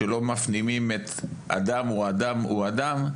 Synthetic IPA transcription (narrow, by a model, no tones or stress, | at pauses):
elo̞mafnimimet̪ʔa̰damuad̪amṵad̪am